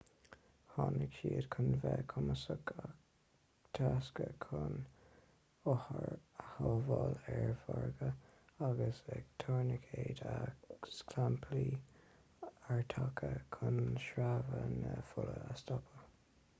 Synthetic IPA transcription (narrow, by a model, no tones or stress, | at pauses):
hɑnɪkʃiːədkʰʊnvɛːkʰʊməsəkʰak | t̪ʰaskəkʰʊn | ɔhəhɔvɑːlɛɹvɔɹɡəaɡəsɛɡ̚t̪ʰɔɹnəkʰeːd̪askʰlampʰliː | aɹt̪ʰakʰəkʰʊnʃɾavənəfʊləəst̪ɔpʰə